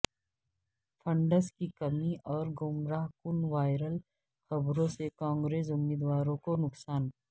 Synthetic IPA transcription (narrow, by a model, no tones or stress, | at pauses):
fʰɐ̃ɳɖəskikɐmiʔɔːɾɡʊmɾaːɦkʊnʋaːɪɾəl | xɐbɾõsekãːŋɡɾeːsʊmːiːd̪ʋaːɾõkonʊksaːn